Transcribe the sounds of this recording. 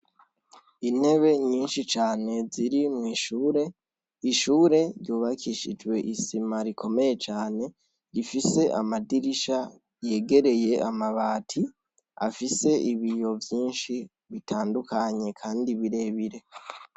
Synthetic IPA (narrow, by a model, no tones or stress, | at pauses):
in̥he̞βe̞ɲiːnʃit͡ʃaːne̞ziɾimŋiːʃuːɾe̞ | iʃuːɾe̞ɾjuːβakʰiʃid͡ʒɡwe̞ʔisimaɾikʰo̞me̞je̞t͡ʃaːne̞ | ɾifise̞ʔa̰madiɾiʃa | je̞ːɡe̞ɾe̞je̞amaβaːtʰi | a̰fise̞ʔiβijo̞vjiːnʃi | βitʰaːndukʰaɲe̞kʰaːndiβiɾe̞βiɾe̞